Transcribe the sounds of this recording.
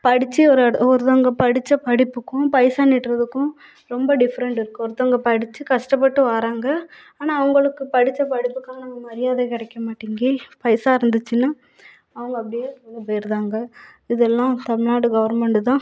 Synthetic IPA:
pɐɽɪt͡ʃːiɔɾɯɐɔɾɯt̪aːŋɡɐpɐɽɪt͡ʃːɐpɐɽɪpːɯkːʊ̃pɐɪsaːnɪʈɾɐðɯkːʊ̃ | ɾɔmbɐɖɪfɐɾɛɳʈɪɾɯkːɯɔɾɯt̪ːɐŋɡɐpɐɽɪt͡ʃːɯkɐʂʈɐp̬ːɐʈːɯʋaːɾaːŋɡɐ | aːnaːɐʋɐŋɡɐɭɯkːɯpɐɽɪt͡ʃːɐpɐɽɪpːɯkːaːlɐnɐŋɡɐmɐɾɪjaːðekɪɽɛkːɐmaːʈːiːŋɡiːpɐɪsaːɪɾɯnd̪ɯt͡ʃːɯnaː | ɐʋɐŋɡɐːp̬ːɐɽɪjeːɐðɐpejɪɾðaːŋɡɐɪðɛlːãːt̪ɐmɪɭaːɽɯɡɐʋɐɾmɛɳʈɯt̪ãː

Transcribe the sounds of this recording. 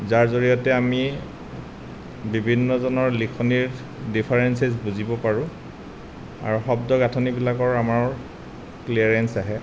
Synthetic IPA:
zaɹzoɹijɔtɛami | bibʱinːɔzɔnɔɹlikʰɔniɹ | dipʰaɹɛnsezbuzibɔpaɹʊ̃ | a̰ɹuxɔbdɔɡatʰɔnibilakɔɹamaɹ | kliaɹɛnsaɦɛ

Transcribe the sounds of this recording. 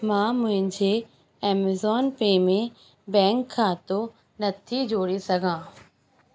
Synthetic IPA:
mãːmʊ̃ɦɪ̃ɲd͡ʑe | ɛːmezɔːnpeːmẽ | bɛ̃ːŋkʰːãːt̪o | nɐt̪ʰid͡ʑoːɽesɐɡʱãː

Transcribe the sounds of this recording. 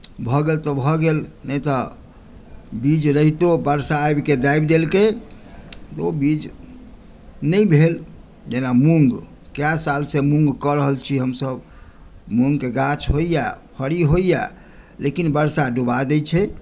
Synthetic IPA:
bʱɔɡelt̪ɔbʱɔɡelnəjt̪ɔ | bid͡ʒɾəɦit̪obəɾsaːbked̪ajbd̪elke | t̪obid͡ʒ | nəjbʱel | d͡ʒenamuŋɡ | kjasalsemũŋɡkɔɾəɦəlt͡ʃʰiɦəmsəb | muŋɡkeɡat͡ʃʰɦoijapʰəɽiɦoija | lekinbəɾsaɖubad̪ət͡ʃʰɛ

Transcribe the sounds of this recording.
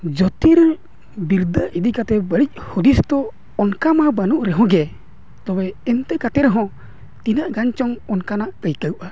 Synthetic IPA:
d͡ʒɔt̪iɾ | biɾd̪əʔid̪ikat̪ɛbəɾic̚ˀhud̪ist̪ɔː | nkamabanuʔɾɛɦɔ̃ɡɛ | t̪ɔbɛːnt̪ɛkat̪ɛɾɦɔ̃ | t̪inaʔɡaɲt͡ʃɔŋɔnkanaʔkəjkəwʔa

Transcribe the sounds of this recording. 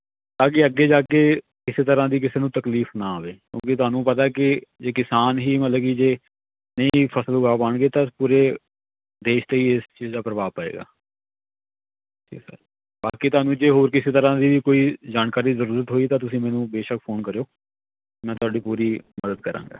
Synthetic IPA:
t̪ãːkɪəɡeːd͡ʒaːkeː | kɪseːt̪əɾãːd̪iːk̬ɪseːnũːt̪əkliːfnaːɦoːeːkjõ̰ːk̬ɪt̪̬ʊɦaːnũːpət̪̬aːkɪd͡ʒeːkɪsaːnɦiːmət̪ləɡiːd͡ʒeː | nəĩːpʰəsəlɦʊɡaːpaːɳɡeːt̪ãpuːɾeː | d̪eːʃt̪eiːɪst͡ʃiːzd̪aːpɾəʋaːpəːḛːɡa̰ː | ʈʰḭːksa̰ː | baːkiːt̪ʊɦaːnũːd͡ʒeːɦoːɾkɪseːt̪əɾãːd̪iːʋiːkoːiːd͡ʒaːnkaːɾiːzəɾuːɾət̪ɦoːiːt̪ãːt̪ʊsĩːmɛːnũːbeːʃəkpʰoːnkəɾejoː | mɛ̃ːt̪ʊaːɖiːpuːɾiːməd̪əd̪̚kəɾã̰ːɡa̰ː

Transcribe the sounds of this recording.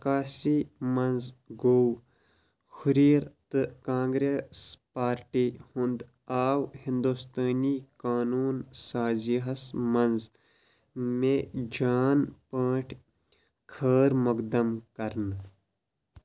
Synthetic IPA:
kaːsiːmɐnzɡow | kʰʊɾiːɾt̪ɨkãːŋɡɾeːspaːɾʈiːhʊ̃nd̪ | aːwhɪ̃nd̪ust̪aːniːkaːnuːnsaːziɦɐsmɐnz | mẽd͡ʒaːnpəːʈʰ | kʰəːɾmʊkd̪ɐmkɐɾn

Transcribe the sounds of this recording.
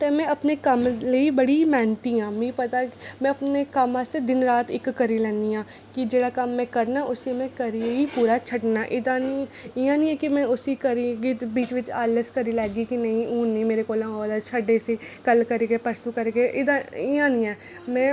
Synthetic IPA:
t̪eːmɛ̃ɐpnekəmleibəɽimɛːnt̪iãːmẽĩpət̪amɛ̃ɐpnekəmast̪ed̪ɪnɾaːt̪ɪkːəɾilɛːniãː | kid͡ʒeːɽaːkɐmːɛ̃ːkəɾnaːʔʊsimɛ̃kəɾiipuːɾaːt͡ʃʰəʈnaːʔɪd̪aniɪjãːnĩɛːkimɛ̃ːʊsikəɾiɡibiːt͡ʃʋɪt͡ʃaːləskəɾilɛːɡikinɐĩũːnimeːɾekoːlãd̪at͡ʃʰəɖesekəlkəɾeɡepəɾsukəɾeɡeʔɪd̪aɪjãːnĩɛ̃ː | mɛ̃ː

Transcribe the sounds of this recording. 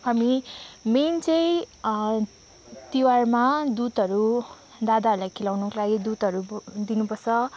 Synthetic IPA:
ɦamiment͡sʌj̃ | t̪iwarmad̪ut̪ʌɾu | d̪ad̪aɾulajkʰilawnʌklaɡid̪ut̪ʌɾud̪inupʌrt͡sʰʌ

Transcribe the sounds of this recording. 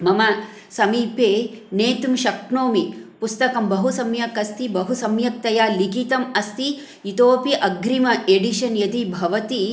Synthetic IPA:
mɐmɐ | sɐmiːpeːneːt̪umʃɐkɳoːmipust̪ɐkɐmbɐɦusɐmjɐkɐst̪ibɐɦusɐmjɐk̚t̪ɐjaːlikit̪ɐmɐst̪iː | t̪oːpiʔɐɡɾimɐʔeɖiʃɐnjɐt̪ibʱɐʋɐt̪i

